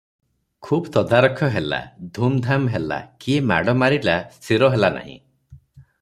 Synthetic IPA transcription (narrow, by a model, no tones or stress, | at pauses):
kʰubɔt̪ɔd̪aɾɔkʰɔɦela̰d̪ʱumd̪ʱamɦela̰kiema̰ɽɔmaɾilast̪ʰiɾɔɦelana̰ɦḭ̃